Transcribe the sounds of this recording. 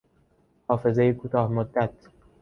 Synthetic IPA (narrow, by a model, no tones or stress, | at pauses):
hɒːfe̞zejekʰuːt̪ʰɒːhmod̪ːæt̪ʰ